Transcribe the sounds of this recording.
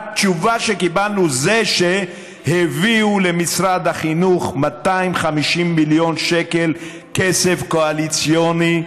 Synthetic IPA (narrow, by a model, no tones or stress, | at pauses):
t͡ʃuvaʃekibalnuzeʃe | heviulemisɾad̪haχinuχmat̪aimχamiʃimːiljo̞nʃekel | kesefkoalit͡sjoni